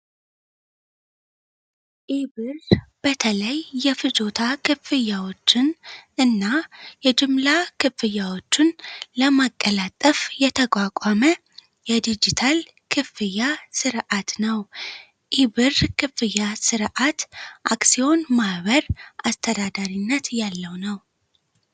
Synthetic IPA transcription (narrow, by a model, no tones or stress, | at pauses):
ʔibɨrb̥ət̪ʰələjːɛfɨd͡ʒo̞t̪ʰakʰɨfɨjːawo̞t͡ʃːɪnɨnːajɛd͡ʒɨmlakʰɨfɨjːawo̞t͡ʃːɪnləmakʼːəlat̪ʼːəfjɛt̪ʰəkʼakʼamə | jɛd̪id͡ʒit̪ʰal | kʰɨfɨjːasɨɾʔat̪nəw | ʔiβɨrkʰɨfɨjːasɨɾʔat̪ʔaksio̞nmahβəɾʔast̪ʰəd̪ad̪aɾinːət̪jalːəwnəw